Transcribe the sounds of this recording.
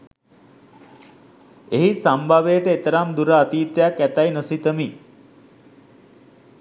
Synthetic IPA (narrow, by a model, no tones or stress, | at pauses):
eɦisambʱaʋejʈəet̪əɾamd̪uɾaːt̪iːt̪əjakːæt̪ajnəsit̪əmi